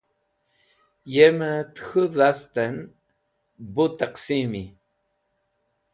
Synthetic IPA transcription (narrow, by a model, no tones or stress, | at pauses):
jemət̪xəðast̪an | but̪aqsimi